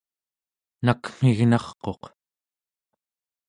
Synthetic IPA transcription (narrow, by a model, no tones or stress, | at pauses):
nakm̥iɣnɑχqo̞q